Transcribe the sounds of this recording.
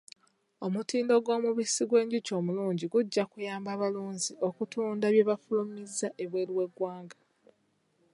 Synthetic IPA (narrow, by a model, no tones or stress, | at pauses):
o̞mutiːndo̞ɡo̞ːmuβisiɡwe̞ːɲɟico̞ːmuluːɲɟiɡuɟːakujaːmbaːβaluːɲzio̞kutuːndaβje̞βafulumizːaʔeβwe̞ːliwe̞ɡwaːŋɡḁ